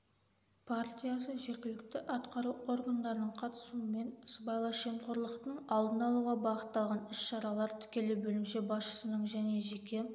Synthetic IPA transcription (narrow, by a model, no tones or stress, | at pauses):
pʰaɾt̪ʲijasəʒe̞ɾɡʲɪlɪk̚t̪ɪʔɑt̪qɑɾuo̞ɾɡand̪ɑɾənəɴqʰɑt̪ə̥suəme̞nɪsbɑjlˠɑʃemqʊɾlˠəqt̪əɴɑlˠd̪ənɑlˠuʁɑbɑqət̪ːɑlˠʁɑnɪsʃɑɾɑlˠɑɾt̪ʰɪ̥kʲe̞lɪbɵlɪmʃe̞bɑsʃə̥sənəɴʒæne̞ʒekʲe̞